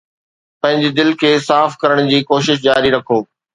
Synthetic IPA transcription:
pɐ̃ɦɪ̃ɲd͡ʑed̪ɪlkʰeːsaːfkɐɾəɽ̃d͡ʑiːkoːʃɪʃ̬d͡ʑaːɾiɾɐkʰoː

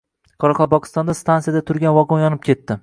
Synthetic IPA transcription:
qʰɒɾɑqʰɒlˠpɒqʰɨ̥st̪ɒnd̪ast̪ansijad̪at̪ʰʊɾɡʲanvɒqnjɒnɪp̚kʲʰe̞t̪ːɪ

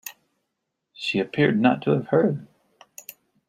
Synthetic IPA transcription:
ʃiɨpʰɪɹdⁿnə̰tʰəːv̥hɜ˞d̚

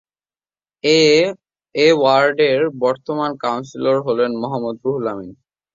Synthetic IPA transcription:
ewaɾɖeɾbɔɾt̪omankawnsiloɾɦolenmɔɦamːod̪ɾuɦulamin

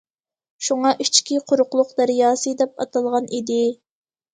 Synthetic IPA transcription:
ʃuŋɑʔit͡ʃkʲiqʰʊɾʊqlˠʊqd̪æɾjɑːsɨd̪ɛpɑ̰t̪ʰɑlˠʁɑnʔid̪ɪ

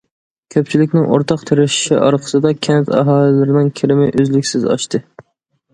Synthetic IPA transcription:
kʲʰøp̚ʲt͡ʃʰilɪkʲnɪŋʔo̰ɾt̪ʰɑqt̪ʰeɾɪʃɪ̥ʃḭʔɑ̰ɾqʰə̥sɨd̪ɑkʲʰɛnt̪ɑ̰ɦɑːlˠɪlɪɾɪnɪŋkʲʰɪɾɪmɪʔøzlɪkʲsɪzɑ̰ʃt̪ʰɨ

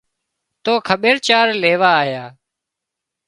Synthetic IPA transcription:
t̪oːkʰəɓeːɾt͡ʃaːɾleːʋaːɦjaː

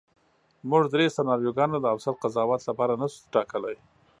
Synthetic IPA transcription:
muʐd̪ɾesanɑɾjoɡɑnod̪əafsat̪̚qazɑwɑt̪lapɑɾanasu̥ʈɑkəlaj

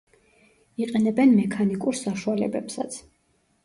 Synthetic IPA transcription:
iqʼɛnɛbɛnmɛkʰanikʼuɾsaʃualɛ̰bɛ̰psa̰t̪sʰ

